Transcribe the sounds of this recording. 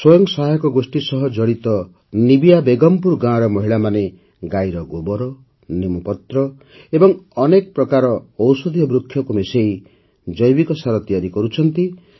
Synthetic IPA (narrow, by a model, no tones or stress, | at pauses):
swɔjɔŋsajɔkɔɡosʈisɔɦɔd͡ʒɔɽit̪ɔ | nibijabeɡɔmpuɾɡãɾɔmɔɦiɭamane | ɡajɾɔɡobɔɾɔ | nemupɔt̪ɾɔ | ebɔŋɔnek̚pɾɔkaɾɔːwsɔd̪ʱijɔbɾukʰːjɔkumesej | d͡ʒɔjbikɔsaɾɔt̪ijaɾikɔɾut͡ʃʰʌnt̪i